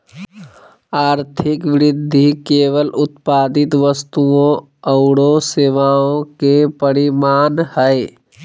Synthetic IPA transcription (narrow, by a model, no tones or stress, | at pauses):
aːɾt̪ʰɪkʋɪɾɪd̪ʱːikeːʋəlʊt̪̚paːd̪ɪt̪ʋəst̪uõ | əʊɽoseːʋaːõkepəɾimaːnhɛe